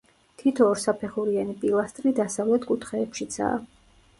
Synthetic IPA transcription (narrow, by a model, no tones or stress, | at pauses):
t̪ʰit̪ʰɔːɾsapʰɛχuɾianipʼilˠast̪ʼɾid̪asavlɛt̪ʰkʼut̪ʰχɛːpʃit̪sʰa̰ː